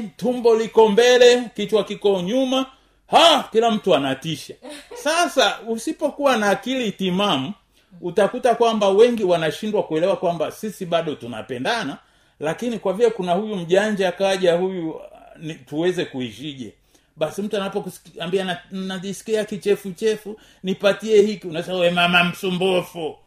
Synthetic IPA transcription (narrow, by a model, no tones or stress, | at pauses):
tumbɔlikɔmbɛlɛkit͡ʃwakikɔɲuma | hakilam̩tuanatiʃasasausipɔkuwanaːkilitimamu | utakutakwambawɛŋɡiwanaʃindwakuɛlɛwakwambasisiɓaɗɔtuna̰pɛndana | lakinikwavilɛkunahujum̩ʄaɲd͡ʒakaʄahujunituwɛzɛkuiʃiʄɛ̰ | ɓasim̩tuanapɔksambianaisi̥kiakit͡ʃɛfut͡ʃɛfu | nipatiɛhikiunawɛzawɛmamam̩sumbɔfu